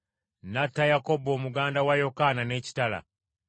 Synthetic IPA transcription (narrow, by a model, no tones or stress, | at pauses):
natːajako̞bo̞ːmuɡaːndawajo̞kanane̞ːci̥tala̰